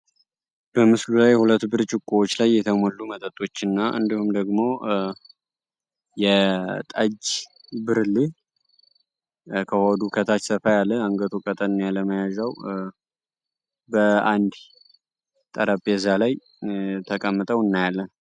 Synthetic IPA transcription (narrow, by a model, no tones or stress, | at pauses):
b̥əmɨslulajhulət̪ːbɨɾt͡ʃʼɪkʼːuwot͡ʃːlajːɛt̪ʰəmolːumət̪ʼət̪ʼo̞t͡ʃːɨnːaʔɨ̰nd̪ihumd̪əɡmo̞ | jɛt̪ʼəd͡ʒ | bɨɾli | kʰəhod̪ukʰət̪ʰat͡ʃsəfajalːəaŋɡət̪ʰokʼət̪ʼənɨnjaləməjazəw | bəand̪ | t̪ʼəɾʔapʼezalaj | t̪ʰəkʼəmːɨt̪ʼəwɨnːajalːən